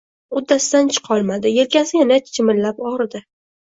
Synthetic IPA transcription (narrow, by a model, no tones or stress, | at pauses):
ʊd̪ːasɪd̪ant͡ʃʰɨ̥qʰɒlˠmad̪ɪjelkʲasɪjanat͡ʃʰɪmɪllapɒɾd̪ɪ